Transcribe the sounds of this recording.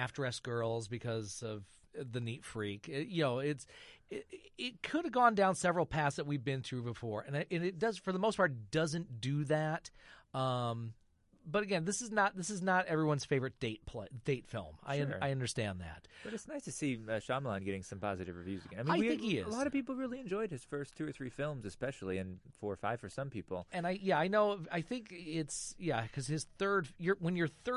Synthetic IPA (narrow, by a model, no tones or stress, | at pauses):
æfd̥ɹɛsɡ̥ɜ˞lˠzbɨkʰʌzʌv | ðɨnitfɹikɪjɨnoʊɪtsɪɪt̚kʰʊɾɨvɡɔ̃ndãʊ̃nsɛvɹl̩ˠpʰæsðɨt̚wivbɨ̃nθɹʉbəfɔɹʔɨ̃nɪʔɨ̃nɨt̚d̥ʌzfə˞ðəmoʊspʰɑɹtɪd̥ʌzɨ̃nd̥ɨðæt̚ʌ̃m | bʌɾɨɡɛ̃nðɪsɨznət̪̚ðɪsɨznəɾɛvɹiwʌ̃nz̥feɪvə˞ɨt̚d̥eɪt̚pʰl̥ḛɪd̥eɪtfɪ̰lˠma̰ɪʌ̃aɪʌ̃ndə˞stæ̃nðæ̰t̚b̥ʌɾɨtsnaɪstʰɨsiʌʃɑmlãɪ̃nɡɛɾɪ̃ŋsʌ̃mpʰɑzɨɾɨvɹɨvjʉzɨɡɛ̃naɪmiaɪ̃iɪ̃ŋkhiɪ̰əlzɑɾʌv̥pipl̩ˠɹɪlˠiɨ̃nd͡ʒɔɪd̚ɨz̥fɜ˞stʰʉə˞θɹifɪlˠmzɨspɛʃl̩ˠiɨ̃nfɔɹfaɪv̥ə˞sʌ̃mpʰipl̩ˠɨ̃naɪjæaɪnoʊaɪθɪ̃ŋkɪtsjækʰʌz̥ɨz̥θɜ˞d̥jə˞wə̃njə˞θɜ˞